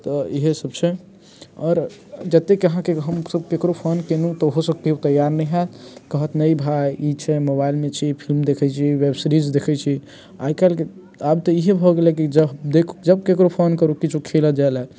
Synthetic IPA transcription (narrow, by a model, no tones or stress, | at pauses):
t̪ɔiɦesəbsʰẽ | ɔːɾd͡ʒət̪ekəɦãkeɦəmsəb̚kekɾopʰonkenut̪ɔɦosək̚t̪eut̪əjːaɾnəiɦat̪kəɦət̪nəibʱajit͡ʃʰɛmobailmet͡ʃʰipʰilmd̪ekʰɛt͡ʃʰiwebsɾid͡ʒd̪ekʰɛt͡ʃʰi | a̰ikalke | abt̪ɔiɦebʱɔɡelekid͡ʒəd̪ekʰd͡ʒəb̚kekɾopʰonkəɾukit͡ʃʰukʰeləd͡ʒaelɛ